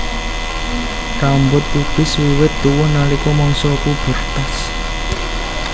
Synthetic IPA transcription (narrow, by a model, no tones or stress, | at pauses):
kambʊt̪̚ːub̥ɪ̤swiwɪt̪̚t̪uwʊnːalikɔmɔŋsɔkub̥ə̤rt̪as